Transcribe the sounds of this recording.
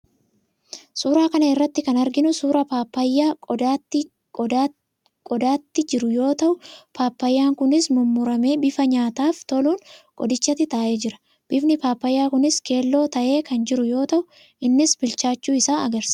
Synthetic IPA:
suːɾaːkɐnɐɪrːɐt̪ːɪkɐnɐɾɡɪnʊsuːɾɐpaːpːɐjːaː | kʼɔd̪aːt̪ːɪd͡ʒɪɾʊjo̞ːt̪ɐʔʊpʰaːpːɐjːaːŋkʊnɪsmʊmːʊɾɐme̞ːbɪfɐɲaːt̪aːft̪ɔluːnkʼɔ̰d̪ɪt͡ʃːɐt̪ːɪt̪aːʔe̞ːd͡ʒɪɾɐ̥ | b̥ɪfnɪpaːpːɐjːaːkʊnɪske̞ːlːo̞ːt̪ɐʔe̞ːkɐnd͡ʒɪɾʊjo̞ːt̪ɐʔʊ | ʔɪnːɪsbɪlt͡ʃaːt͡ʃːuːɪsaːɐɡɐɾsɐ̥

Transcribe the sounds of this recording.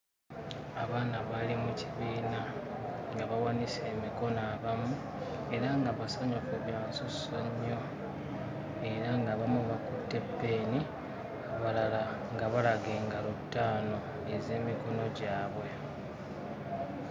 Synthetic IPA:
aβaːnaβalimuciβiːnaŋɡaβawanise̞ːmiko̞naβamu | e̞ɾaŋɡaβasaɲokuβjaːnsusoɲːo̞ | e̞ɾaŋɡaβamuβakutːe̞pːe̞ːni | aβalala | ŋɡaβalaɡe̞ːŋɡalutːaːno̞ | eze̞ːmiko̞no̞ɟaːβwe̞

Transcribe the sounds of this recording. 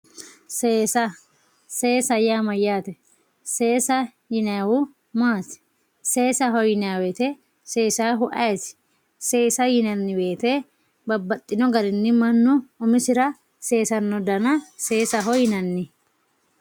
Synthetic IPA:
seːsɐ | se̞ːsɐjaːmɐjaːt̪ɛ | se̞ːsɐ | jɪnɐwʊ | maːsɪ̥ | seːsɐɦɔjɪnɐwɛt̪ɛ | se̞ːsaːɦʊʔɐjɛsɪ̥ | se̞ːsɐjɪnɐnːɪbe̞ːt̪e | bɐbːɐt̪ʼːɪnɔɡɐɾɪnːɪmɐnːʊʊmɪsɪɾɐ | seːsɐnːɔd̪ɐnɐse̞ːsɐɦɔjɪnɐnːɪ

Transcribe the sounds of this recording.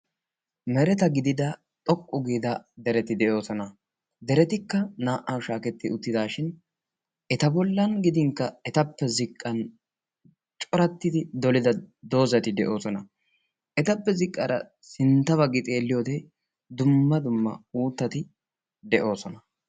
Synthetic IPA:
mɛɾɛt̪ɐɡɪd̪ɪd̪ɐ | t̪ʼɔkʼːʊɡiːd̪ɐd̪ɛɾɛt̪ɪd̪ɛʔo̞ːsɔnɐ | d̪ɛɾɛt̪ɪkːɐnaːʔawʃaːkɛt̪ːɪʊt̪ːɪd̪aːʃɪn | ʔɛt̪ɐbɔlːɐnɡɪd̪ɪŋkːɐɛt̪ɐpːɛzɪkʼːɐn | t͡ʃʼɔɾɐt̪ːɪd̪ɪd̪ɔlɪd̪ɐd̪o̞ːzɐt̪ɪd̪ɛʔo̞ːsɔnɐ | ɛt̪ɐpːɛzɪkʼːɐɾɐ̰ | sɪnt̪ːɐβɐɡɪt̪ʼe̞ːlːɪjoːt̪ɛ | d̪ʊmːɐd̪ʊmːɐ̰uːt̪ːɐt̪ɪ | d̪ɛʔo̞ːsɔnɐ

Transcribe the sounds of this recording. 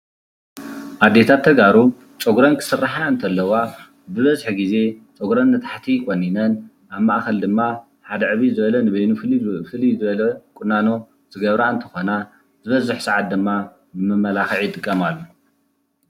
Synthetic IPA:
ʔad̪ːe̞t̪ʰat̪ʰːɐɡaɾu | t͡sʼoɡɾɐnkʰɨ̥sɨrːaħaɨnt̪ʰɐlːɐwa | bɨβɐzħɡize̞t͡sʼoɡɾɐnmɐt̪ʰḁħt̪ʰikʼonːinɐn | ʔaβmaʔxɐld̪ɨmːa | ħad̪ɐʕɨβizɨβɐlɐnɨβɐjnufɨlifɨlizɨβɐlɐkʼʊnːano̞ | z̥ɨɡɐβɾaɨnt̪ʰɐ̥xo̞na | zɨβɐzɨħsaʕat̪̚d̪ɨmːa | bɨmɨmːɐlaxɨʕjɪt̪ʼɨkʼːɐmalːu

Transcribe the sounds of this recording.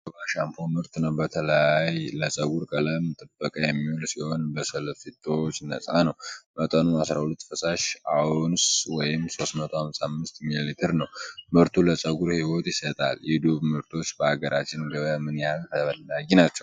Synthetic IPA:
baʃampʰomɨɾt̪nəwbət̪ʰələjajləsʼəɡuɾkʼələmt̪ʼɨbːəkʼəjɛmːiulsiho̞nbəsəlfit̪ʰʼːo̞t͡ʃːnə̰sʼanəwmət̪ʼənuasɾahulət̪ːfəsaʃawʊnswɔjɪmso̞st̪mət̪ʰohamsamːɨst̪mililit̪ʰɨɾnəwmɨɾt̪ʰuləsʼəɡuɾhiwo̞t̪jɪsət̪ʼa̰ljɪd̪uβmɨɾt̪ʰo̞t͡ʃːbəaɡəɾʔat͡ʃːɪnɡəβəmɨnjalkʰəəβənːaɡinat͡ʃːɛww

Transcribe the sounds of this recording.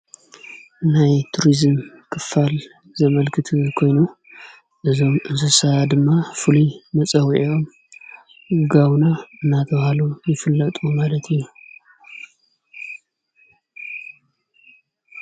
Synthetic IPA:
najt̪ʰuɾizɨm | kʰɨfːal | zɐmɐlkʰɨt̪ʰukʰo̞jnu | ʔɨzo̞mʔɨnzɨsɐad̪ɨmːafɨlumɐt͡sʼɐwʔo̞m | ɡawnaɨnːat̪ʰɐβhalujɪfɨlːɐt̪ʼumalɐt̪ʰɨjːu

